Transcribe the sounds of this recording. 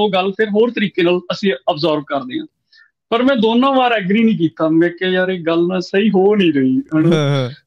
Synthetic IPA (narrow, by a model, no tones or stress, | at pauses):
oːɡəlpʰɪɾɦoːɾt̪əɾiːkeːnaːləsĩːəbzaːɾb̚kəɾd̪eːɦã̰ː | pəɾmɛ̃ːd̪oːnãːʋaːɾɛɡɾiːnĩːk̬iːt̪aːmɛ̃ːkɛːjaːɾeːɡəlnaːsəiːɦoːnĩːɾəiːɦɛːɽ̃õː